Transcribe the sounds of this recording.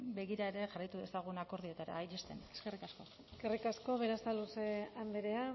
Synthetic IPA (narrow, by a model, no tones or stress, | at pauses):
be̞ɣiɾaeɾe̞ʝarajt̪uðe̞saɣ̞unako̞ɾð̞iet̪aɾa̰jt͡ʃest̪ḛneskerikasko̞ | eskerikasko̞βeɾastaluseambeɾe̞a